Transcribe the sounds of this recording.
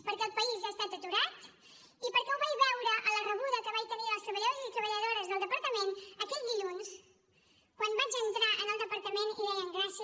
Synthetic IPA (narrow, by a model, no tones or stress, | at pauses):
pəɾkɛlˠpəizast̪at̪ət̪uɾat̪ | ipəɾkɛuβajβɛwɾəʔələrəβuðəkəβajt̪əniəlˠst̪ɾəβəʎozit̪ɾəβəʎəðoɾəzðəlˠd̪əpəɾt̪əmenəkɛʎd̪iʎuns | kwanbad͡ʒənt̪ɾaʔənəlˠd̪əpəɾt̪əmeniðələŋɡɾasi